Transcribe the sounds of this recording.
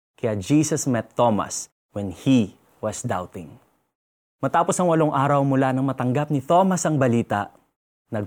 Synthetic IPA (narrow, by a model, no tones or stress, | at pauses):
kɐjad͡ʒisɐsmɛt̪ːomɐ̰s | wɛnhi | wɐsd̪awt̪ɪŋ | mɐt̪aːposɐŋwɐloŋʔaːɾɐwmʊlanɐŋmɐt̪ɐŋɡap̚nɪt̪o̞mɐsɐŋbɐliːt̪ɐ̰ʔ | nɐ